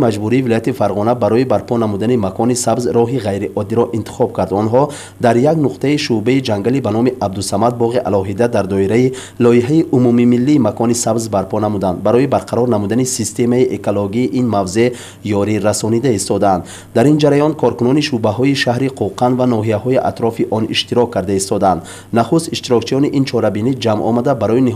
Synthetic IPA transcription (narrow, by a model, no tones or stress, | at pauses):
mad͡ʒbuɾiːvilɔjat̪ifaɾʁɔnabaɾɔibaɾpʰɔnamud̪animakʰɔnisabzɾɔɦiʁajɾiʔɔd̪ːiɾɔʔint̪ʰi̥χɔb̚kʰaɾd̪ɔnɦɔ | d̪aɾjaɡnuqt̪ʰaiʃubeid͡ʒaŋɡalibanɔmiʔab̚d̪usamad̪̚bɔʁiʔa̰lɔɦid̪ad̪aɾd̪ɔiɾai | lɔiɦaiʔumumimilːiːmakʰɔnisabzbaɾpʰɔnamud̪and̪baɾɔibaɾqʰaɾɔɾnamud̪anisist̪e̞maiʔekoloɡiːʔinmavze̞ | jɔɾiɾasɔnid̪aist̪ɔd̪aand̪ | d̪aɾind͡ʒaɾajɔnkʰɔɾkunɔniʃubaɦɔiʃahɾiqʰuqʰand̪vanɔɦijaɦɔiʔa̰t̪ɾɔfiʔɔnḭʃt̪iɾɔkʰːaɾd̪aist̪ɔd̪nd̪ | naχust̪iʃt̪iɾɔkt͡ʃʰiɔniʔint͡ʃʰɔɾabinid͡ʒamɔ̰mad̪abaɾɔini